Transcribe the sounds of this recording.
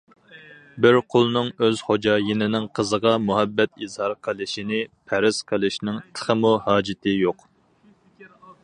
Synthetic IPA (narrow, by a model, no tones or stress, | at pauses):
bɪɾqʰolˠnɨŋøz̥χod͡ʒɑːjinɪnɪŋqʰəzəʁɑmuɦɛbːɛt̪izhɑɾqʰəlˠɪʃinɪpʰæɾɪsqʰəlˠɪʃnɪŋt̪ʰə̥χəmuhɑːd͡ʒɪt̪ʰɪjoq